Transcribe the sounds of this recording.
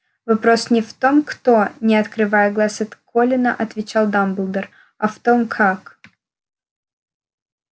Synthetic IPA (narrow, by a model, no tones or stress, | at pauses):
vɐpɾo̞snʲɪft̪o̞mkt̪o̞nʲɪɐt̪kɾɨvajəɡlˠasɐt̪kʰolʲɪnəʔɐt̪vʲɪt͡ɕalˠd̪ambɨlˠd̪ər | ɐft̪o̞mkʰak